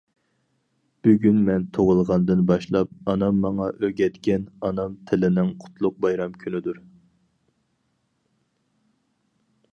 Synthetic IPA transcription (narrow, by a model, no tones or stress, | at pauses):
b̥yɡʲynmɛnt̪ʰoʁʊlˠʁɑnd̪ɨnbɑʃlˠɑp̚ɑnɑmːɑŋɑʔøɡʲɛt̪kʲɛnɑnɑmt̪ʰɪlɪnɪŋqʰʊ̥t̪ʰlˠʊq̚bɑjɾɑmkʲʰynɪd̪uɾ